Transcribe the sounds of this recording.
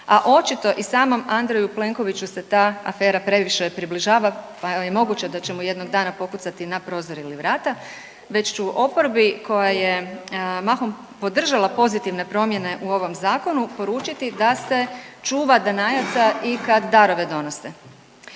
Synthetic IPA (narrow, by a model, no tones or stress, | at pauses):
aʔo̞t͡ʃit̪o̞ʔisaːmo̞mand̪ɾejuple̞ŋko̞ʋit͡ʃuse̞t̪aːa̰fe̞ːɾapɾe̞ʋiʃe̞pɾibliʒaːʋapajemo̞ɡut͡ɕed̪at͡ɕe̞muje̞d̪no̞ɡd̪aːnapo̞kut̪sat̪inapɾo̞ːzo̞ɾiliʋɾaːt̪a | ʋe̞t͡ʃt͡ʃuʔo̞po̞ɾbikʰo̞jajemaxom | po̞d̪r̩ʒalˠapo̞zit̪iʋne̞pɾo̞mje̞ne̞ʔuo̞ʋo̞mzaːko̞nupo̞ɾuːt͡ʃit̪id̪ase̞t͡ʃuːʋad̪anajat̪saikad̪ːaɾo̞ʋe̞d̪o̞no̞se